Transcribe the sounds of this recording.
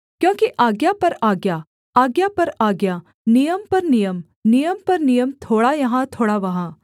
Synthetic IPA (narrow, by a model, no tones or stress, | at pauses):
kjõːkiʔaːɡjapɐɾaːɡja | aːɡjapɐɾaːɡja | nijəmpɐɾnijəm | nijəmpɐɾnijəmt̪ʰoːɽajɐɦãt̪ʰoːɽaʋɐɦã